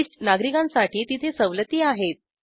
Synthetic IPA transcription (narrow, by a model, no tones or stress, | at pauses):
ʂʈnaɡɾikãnsaʈʰiːt̪it̪ʰesəʋlət̪iːaɦet̪̚